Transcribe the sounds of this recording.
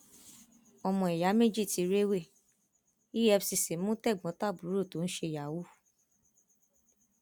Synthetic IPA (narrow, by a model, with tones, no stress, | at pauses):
ɔ˧mɔ̃˨i˨ja˨˦me˦˨d͡ʒi˦˨ti˨˧ɾe˦we˦˨ | i˦ɛ˧fsi˧˨se˨˦mũ˦tɛ˦˨ɡ͡bɔ̃˨˦ta˦˨bu˨˦ɾo˦˨to˨˦ñ̩˦ʃe˧˨ja˨wu˦